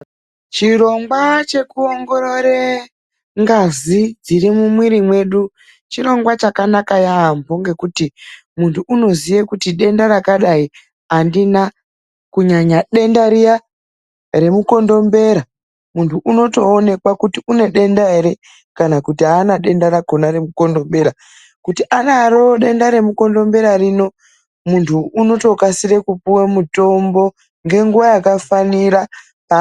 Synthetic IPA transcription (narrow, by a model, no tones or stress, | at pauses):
t͡ʃiro̞ŋɡwat͡ʃe̞kuoŋɡo̞ɾoɾe | ŋɡazid͡zirimumwiɾimwe̞ɗu | t͡ʃiɾo̞ŋɡwat͡ʃakanakajaːmbo̞ŋɡe̞kuti | muntʰuːno̞zijekutiɗe̞ndaɾakaɗai | andina | kuɲaɲaɗe̞ndaɾija | ɾe̞muko̞ndo̞mbe̞ɾa | muntʰuʔuno̞to̞ːne̞kwakutiune̞ɗe̞ndaeɾe̞ | kanakutiaːnaɗe̞ndaɾakonaɾe̞muko̞ndo̞mbe̞ɾa | kutiʔanaːɾoɗe̞ndaɾe̞muko̞ndo̞mbe̞ɾarino̞ | muntʰuːno̞to̞kasiɾe̞kupuwamuto̞mbo̞ | ŋɡe̞ŋɡuʋajakafaniɾa | pa